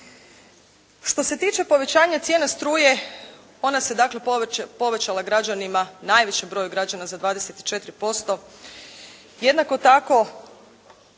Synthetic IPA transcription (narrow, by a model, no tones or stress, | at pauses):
ʃt̪o̞se̞t̪iːt͡ʃe̞po̞ʋe̞t͡ɕaːɲat̪sjenast̪ɾuːje̞ | o̞nase̞d̪akle̞po̞ʋe̞t͡ɕalˠaɡɾad͡ʒanimanaːjʋe̞t͡ɕembɾo̞juɡɾad͡ʒanazad̪ʋaːd̪ese̞t̪i̥t͡ʃe̞t̪ɾipo̞st̪o̞ | je̞d̪nako̞t̪ako̞